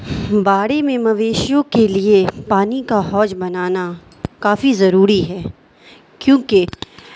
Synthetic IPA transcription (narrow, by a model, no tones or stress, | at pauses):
baːɽemẽmɐʋeːʃjõkeliepaːnikaɦɔːd͡ʒbɐnaːna | kaːfizɐɾuːɾiɦɛː | kjõːke